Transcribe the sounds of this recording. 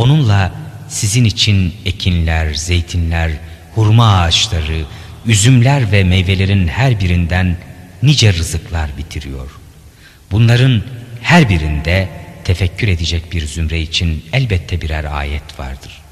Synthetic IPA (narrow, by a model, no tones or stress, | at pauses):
o̞nunlˠasizinit͡ʃʰine̞cʰinlʲæɾze̞jt̪ʰinlʲæɾ | huɾmaːt͡ʃlˠaɾɯyzymlʲæɾvɛmejve̞lʲe̞ɾinhæɾbiɾind̪ænː | id͡ʒɛɾɯzɯklˠaɾbit̪ʰiɾijo̞ɾ̥ | bunlˠaɾɯnhæɾbiɾind̪ɛt̪ʰefɛcʰːyɾe̞d̪ɛd͡ʒɛc̚biɾzymɾɛit͡ʃʰinɛlʲbɛt̪ʰːɛbiɾæɾa̰ːjɛt̪va̰ɾd̪ɯɾ̥